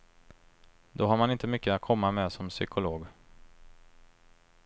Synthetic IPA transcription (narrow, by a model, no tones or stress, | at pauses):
d̪ɔɦaɾmanɪnt̪əmʏkːəat̪̚kʰɔmːamɛsɔmsʏ̰kʰʊloːɡ